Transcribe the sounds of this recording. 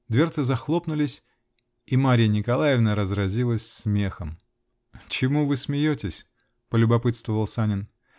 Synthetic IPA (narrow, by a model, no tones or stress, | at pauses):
d̪vʲe̞rt̪sɨzɐxlˠo̞pnʊlʲɪsʲ | imaɾʲɪjənʲɪkɐlˠajɪvnəɾəzɾɐzʲilˠəsʲsmʲe̞xəm | t͡ɕɪmuvɨsmʲɪjotʲɪsʲ | pəlʲʊbɐpɨt̪st̪vəvəlˠsanʲɪn